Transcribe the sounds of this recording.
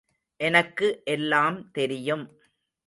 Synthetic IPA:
ʔɛnɐkːɯʔɛlːaːmt̪ɛɾɪjɯm

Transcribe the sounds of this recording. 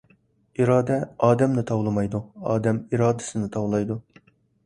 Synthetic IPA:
iɾɑːd̪ɛɑːd̪ɛmnɪt̪ʰɑwlˠɨmɑjd̪uɑːd̪ɛmiɾɑːd̪ɨ̥sɨnɪt̪ʰɑwlˠɑjd̪u

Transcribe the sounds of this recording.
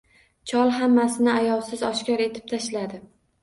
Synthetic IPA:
t͡ʃʰɒlˠɦamːasɪnɪajɒlˠsɪzɒʃkʲɒɾe̞t̪ʰɪ̥p̚t̪ʰaʃlad̪ɪ

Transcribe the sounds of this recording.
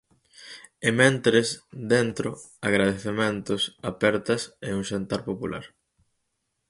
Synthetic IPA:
emẽnt̪ɾesd̪ent̪ɾo | aɣɾað̞eθemẽnt̪ʊsapɛɾt̪ɐseuŋʃent̪aɾpopula̰ɾ

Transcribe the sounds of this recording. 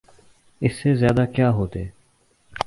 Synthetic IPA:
ɪsːeːzjaːd̪aːkjaːɦoːt̪eː

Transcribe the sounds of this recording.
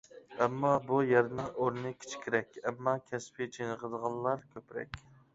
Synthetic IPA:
ɛmːɑbujɛɾnɨŋoɾɪnɨkʲʰi̥t͡ʃʰkʲʰɪɾɛkʲɛmːɑkʲʰɛspʰɪt͡ʃʰenəʁəd̪əʁɑnlˠlˠɑɾkʲʰøpɾɛ̰kʲ

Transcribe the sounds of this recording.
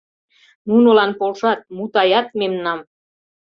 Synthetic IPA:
nunolɑnpolʃɑt̪̚mut̪ɑjɑt̪̚memnɑm

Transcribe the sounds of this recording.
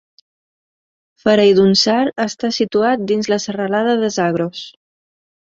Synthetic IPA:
fəɾɛjðunsaɾəst̪asit̪uat̪̚d̪inzləsərəlaðəðəzaɣ̞ɾos

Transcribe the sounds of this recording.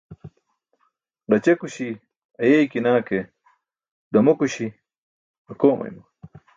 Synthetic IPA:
ɖɐt͡ɕekuɕi | ɐjejkinaːke | d̪ɐmokuɕi | ɐkoːmɐ̰jmɐ

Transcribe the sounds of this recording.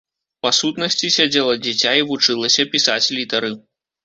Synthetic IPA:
pasut̪nɐsʲt͡sʲisʲad͡zʲɛlˠɐd͡zʲit͡sʲaivut͡ʂɨlˠɐsʲɐpʲisat͡sʲlʲit̪ɐɾɨ

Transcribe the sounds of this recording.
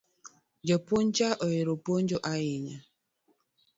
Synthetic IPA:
d͡ʒɔpont͡ʃaʔɔjiɾopon̩d͡ʒoʔajɪɲa

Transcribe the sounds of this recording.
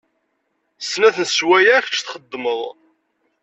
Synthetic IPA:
snæθənswæjæçt͡ʃːθχəd̪ːməðˤ

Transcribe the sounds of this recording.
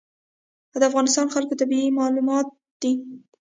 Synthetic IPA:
ad̪əafɣɑnɪst̪ɑnxalkot̪abiimɑlumɑt̪̚ | d̪̥i

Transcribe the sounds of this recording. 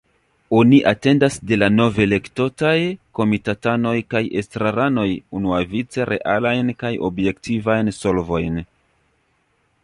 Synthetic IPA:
o̞niʔate̞ndasde̞lano̞ve̞le̞kto̞tajko̞mitatano̞jkaje̞stɾaɾano̞junuavit͡se̞ɾʔe̞̰ʔalajnkajo̞̰bje̞ktivajnso̞lvo̞jn

